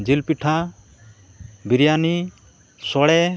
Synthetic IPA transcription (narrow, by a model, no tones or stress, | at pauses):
d͡ʒilpiʈʰa | biɾijani | sɔɽɛ